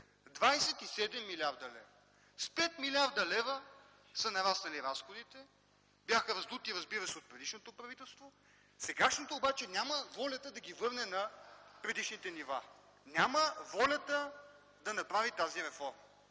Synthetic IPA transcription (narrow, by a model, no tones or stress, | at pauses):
d̪vajsɛt̪isɛd̪ɛmːilʲaɾd̪ɐlɛv | spɛt̪milʲaɾd̪ɐlɛvə | sɐnɐɾast̪ɐliɾasxod̪it̪ɛ | bjaxəɾɐzd̪ut̪iɾɐzbiɾɐsɛot̪̚pɾɛd̪iʃnot̪opɾɐvit̪ɛlˠst̪vo | sɛɡaʃnot̪oːbat͡ʃɛnʲaməvɔlʲɐt̪əd̪ɐɡʲivɤɾnɛnɐpɾɛd̪iʃnit̪ɛniva | nʲjaməvɔlʲət̪ə | d̪ɐnɐpɾavit̪aziɾɛfɔɾməɐ